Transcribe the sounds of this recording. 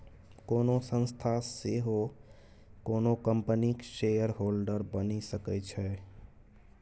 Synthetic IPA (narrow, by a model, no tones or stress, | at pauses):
koːnosə̃nst̪ʰaseɦo | konokəmpənikʃejəɾɦolɖəɾbənisəkɛt͡ʃʰɛ